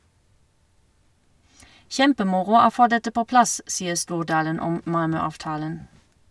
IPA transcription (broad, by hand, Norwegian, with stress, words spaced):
ˈʃɛmpəˌmʊʁʊ ˈoː ˈfoː ˈdɛtə ˈpoː ˈplɑs ˈsiːəʁ ˈstuːʁˌdɑːlən ˈɔm ˈmɑlmœɑːʋˌtɑːlən